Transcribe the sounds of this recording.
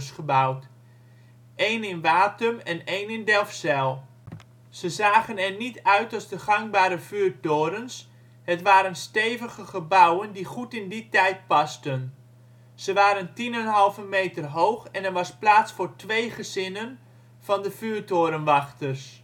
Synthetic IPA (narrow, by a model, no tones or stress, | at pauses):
sχəbawt | ʔejnɪnʋaːtəmɛnejnɪndɛlˠfsɛlˠ | səzaːχənɛɹnitœɥtɑlˠzdəχɑŋ̚baːɾəv̥yːɹtoːɾəns | ɦətʋaːɾənstejvəɣəχəbawəndiχutɪnditɛjt̚pɑstən | z̥əʋaːɾəntinənɦɑlˠvəmejtərɦowχɛnɛɹʋɑsplaːtsfʊːɹtʋejχəzɪnən | v̥ɑndəv̥yːɹtoːɾənʋɑχtərs